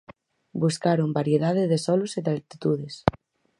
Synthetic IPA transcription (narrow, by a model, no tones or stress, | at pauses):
buskaɾombaɾjeðaðeðesɔluseðalt̪it̪uð̞es